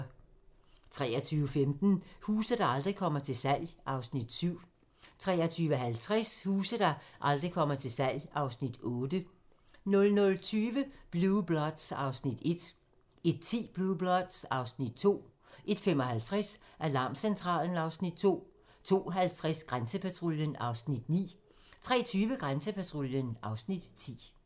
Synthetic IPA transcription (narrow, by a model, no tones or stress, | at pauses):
t͡sʰʁɛːɐt͡sʰyːʋəfemd̥n̩huːsð̩ˠd̥ɑ̈ɑ̈ld̥ʁikʰɒ̽m̰ɐt͡sʰe̝lsæl̰jʔɑ̈ʊsnid̥syʊ̰ | t͡sʰʁɛ̰ːɐt͡sʰyːʋəɦælt͡sʰʁashuːsð̩ˠd̥ɑ̈ʔɑ̈ld̥ʁikʰɒ̽m̰ɐt͡sʰe̝lsæl̰jʔɑ̈ʊsnid̥ɔ̽ːd̥ə | nɔ̽lnɔ̽lt͡sʰyːʋəb̥lub̥lɒd̥sɑ̈ʊsnid̥e̝d̥ | e̝d̥̚t͡sʰḭːb̥luːb̥lɒd̥sɑ̈ʊsnid̥̚t͡sʰo̝̰ː | ʔe̝d̥femɒɦælt͡sʰʁɛsʔælɑ̈ːmsent͡sʰʁɑ̰̈ːln̩ɑ̈ʊsnid̥̚t͡sʰo̝̰ː | t͡sʰo̝̰ːɦælt͡sʰʁasɡ̥ʁansəpʰæt͡sʰʁoljənɑ̈ʊsnid̥nḭː | t͡sʰʁɛ̰ːt͡sʰyːʋəɡ̥ʁansəpʰæt͡sʰʁoljənʔɑ̈ʊsnid̥t͡sʰḭː